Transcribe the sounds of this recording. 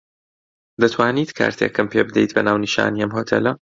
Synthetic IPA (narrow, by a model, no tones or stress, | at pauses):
d̪ɐt̪ʰwaːniːt̪kʰa̰ːɾt̪ʰeːkɨmpeːbɨd̪ɛjt̪bɐnaːwniʃa̰ːniɛmɦoːt̪ʰḛlɐ